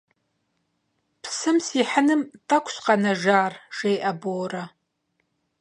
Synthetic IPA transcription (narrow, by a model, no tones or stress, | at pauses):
pʰsɨmsiħənɨmtʰʼɐkʷʰɕqanɐʒaːrʒejʔɐboːrɐ